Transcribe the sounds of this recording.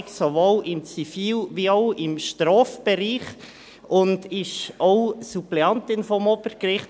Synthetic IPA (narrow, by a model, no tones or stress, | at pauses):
ksoʋoːlɪmt͡sifiːlʋioʊɪmʃtɾɔːfb̥ɛɾiːχ | ʊndɪʃoʊsuplɛɑnt̪ɪnfɔmɔb̥əɾkɾɪχt